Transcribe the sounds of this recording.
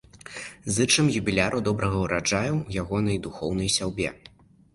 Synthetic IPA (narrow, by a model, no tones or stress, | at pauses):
zɨt͡ʂɨmjubʲilʲaɾʔud̪ɔbɾʔɐɣɐwɾad͡ʐajɛwwjaɣɔnɐjd̪uxɔwnɐjsʲawbʲɛ̰